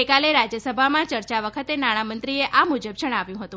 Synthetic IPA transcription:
ekaleɾad͡ʒjəsəbʱamãt͡ʃəɾt͡ʃaʋəkʰət̪enaɽ̃amənt̪ɾieʔamud͡ʒəb̚d͡ʒəɽ̃aʋjũɦət̪ũ

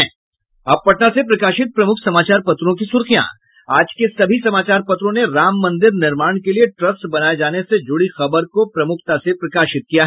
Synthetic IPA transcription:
ɦɛ̃ː | ɐb̚pɐʈnasepɾɐkaːʃɪt̪̚pɾɐmʊkʰsɐmaːt͡ʃaːɾpɐt̪ɾõk̬isʊɾxijã̰ | aːd͡ʒkesɐbʱisɐmaːt͡ʃaːɾpɐt̪ɾõneɾaːmːɐ̃nd̪ɪɾnɪɾmaːɳ̃kelieʈɾɐsʈbɐnaːed͡ʒaːnesed͡ʒʊɽixɐbəɾkopɾɐmʊkʰt̪asepɾɐkaːʃɪt̪̚kijaɦɛ

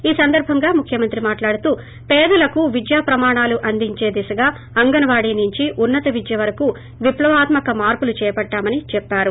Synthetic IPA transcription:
iːsɐnd̪ɐɾbʱɐŋɡaːmukʰjɐmɐnt̪ɾimaːʈlaːɽut̪uː | pɛːd̪ɐlɐkuʋid͡ʒ̪jaːpɾɐmaːɳaːluʔɐnd̪iɲt͡ʃe̞ːd̪ɛsɐɡaː | ɐŋɡɐnɐʋaːɽiːnuɲt͡ʃiʔunːɐt̪ɐʋid͡ʒ̪jɐʋɐɾɐku | ʋiplɐʋaːt̪mɐkɐmaːɾpulut͡ʃɛːjɐpɐʈːaːmɐnit͡ʃɛpːaːɾu

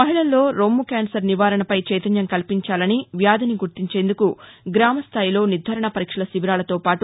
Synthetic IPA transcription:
mɐɦiɭɐlːo̞ːɾoːmːukaːnsɐɾniʋaːɾɐɳɐpɐjt͡ʃɛːjt̪ɐnjɐŋkɐlpiɲt͡ʃaːlɐniʋjaːd̪ɐniɡuɾt̪iɲt͡ʃe̞ːnd̪ukuɡɾaːmɐst̪ʰaːjilo̞ːnid̪ʱaːɾɐɳɐpɐɾiːkʂɐlɐsibiɾaːlɐt̪o̞ːpaːʈu

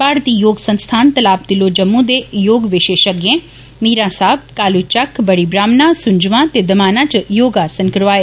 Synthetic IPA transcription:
baːɾt̪iːjoːɡsə̃nst̪ʰaːnt̪ɐlaːp̚d̪ɪlod͡ʒɐmːũd̪ejoːɡʋɪʃeːʃəɡjẽː | miːɾãːsaːb̚kaːlut͡ʃɐkʰbɐɽibɾaːmnãsʊɲd͡ʒʋãt̪ed̪ɐmaːnãt͡ʃjoːɡasə̃ŋkɾʋaːe

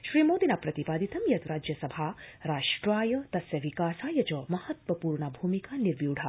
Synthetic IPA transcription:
ʃɾiːmoːd̪inapɾɐt̪ipaːd̪it̪ɐmjɐt̪ɾaːd͡ʒjɐsɐbʱaɾaːʃʈɾaːjɐt̪ɐsjɐʋikaːsaːjɐt͡ʃɐmɐhɐt̪ʋɐpuːɾɳabʱuːmikaːniɾʋjuːɽ̤ʱa

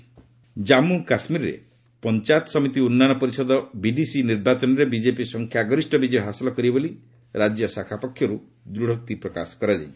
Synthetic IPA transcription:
d͡ʒamukasmiɾɔɾḛ | pɔnt͡ʃat̪ɔsɔmit̪iunːanɔpɔɾisɔd̪ɔbiɖisiniɾbat͡ʃɔnɔɾebid͡ʒepisɔŋkʰjaɡɔɾisʈɔbid͡ʒɔjɦasɔlɔkɔɾiboli | ɾad͡ʒjɔsakʰapɔkʰːjɔɾu | d̪ɾuɽ̤ɔk̚t̪ipɾɔkasɔ̥kɔɾad͡ʒa̰j̃

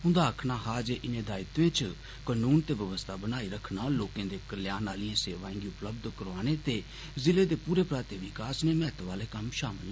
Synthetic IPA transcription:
ʊ̃nd̪aːəkʰnaːɦaːd͡ʒeʔɪnẽːd̪aːɪt̪ʋẽːt͡ʃ | kənuːnt̪eːʋəʋəst̪ʰaːbənaːiːɾəkʰnaːoːkẽːd̪eːkəljaːnaːliãːseːʋaːẽŋɡiʊpləb̚d̪kəɾʋaːneːt̪eː | zɪleːd̪eːpuːɾeːpɾaːt̪eːʋɪkaːsneːmɛːt̪ʋaːleːkəmʃaːməl

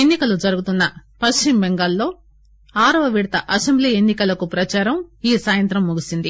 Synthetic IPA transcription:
enːikɐlud͡ʒɐɾuɡut̪unːɐpɐʃt͡ʃimbeŋɡaːlːo̞ː | aːɾɐʋɐʋiɽt̪ɐʔɐsembliːe̞nːikɐlɐkupɾɐt͡ʃaːɾɐmiːsaːjɐnt̪ɾɐmːuɡisind̪i

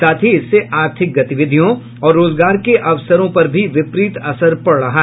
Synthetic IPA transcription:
aːt̪ʰiɪsːeʔaːɾt̪ʰɪk̚ɡɐt̪ɪʋɪd̪ʱijõ | ɔːɾːoːzɡaːɾkeʔɐʋsəɾõpɐɾbʱiʋɪpɾiːt̪ɐsəɾpɐɽɽɐɦa

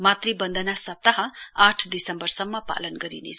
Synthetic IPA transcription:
mat̪ribʌnd̪ʱʌnasʌp̚t̪ːaɦʌ̃aʈʰd̪isʌmbʌrsʌmːʌpa̰lʌnɡʌɾinḛt͡sʰ

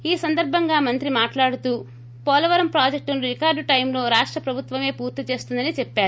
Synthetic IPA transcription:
iːsɐnd̪ɐɾbʱɐŋɡaːmɐnt̪ɾimaːʈlaːɽut̪uː | pɔːlɐʋɐɾɐmpɾaːd͡ʒek̚ʈunɾikaːɾɖʈɐjmlo̞ːɾaːʂʈɾɐpɾɐbʱut̪ʋɐme̞ːpuːɾt̪it͡ʃe̞ːst̪und̪ɐnit͡ʃɛpːaːɾu

